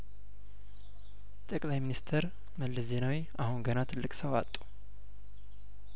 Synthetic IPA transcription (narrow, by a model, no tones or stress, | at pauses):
t̪ʼəkʼlajminist̪ʰəɾ | məlːəzenawi | ahunɡənat̪ʰɨlːɨkʼsəwat̪ʼːu̥